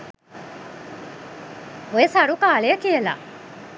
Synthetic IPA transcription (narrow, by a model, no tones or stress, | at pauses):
ojesaɾukaːɭejəkijəla̰